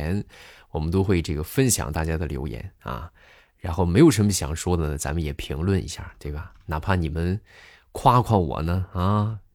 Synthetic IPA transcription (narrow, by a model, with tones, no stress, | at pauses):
nwɔ˨˩mə˦nt̪̬o˥ʊxwe˥˧ɪʈ͡ʂɤ˥˩ɡə˩fə˥nɕjɑ̰˨˩ŋt̪a˥˩t͡ɕja˥d̪ə˨ljo˧˥ʊjɛ̰˧˥nɐ̰˧ | ɻa˧˥nxo˥˩ʊme˧˥ɪjo˨˩ʊʂə˧˥nmə˧ɕjɑ̰˨˩ŋʂwɔ˥d̪ə˨nə˩t͡sa̰˧˥mə˧jɛ˨˩pʰi˧˥ŋlwə˥˩nḭ˧˥ɕja̰˥˩t̪we˥˩ɪbɐ˩na˨˩pʰa˥˩ni˨˩mə˦n | kʰwa˥kʰwɑ˥˩nwɔ̰˨˩nə˧a˥˧